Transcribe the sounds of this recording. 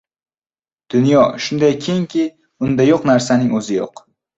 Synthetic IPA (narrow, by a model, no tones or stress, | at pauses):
d̪̥ʊnjɒʃʊnd̪ajkʲʰeŋkʲʰɪ | ʊnd̪ajoqnaɾsanɪŋɵzɪjo̰q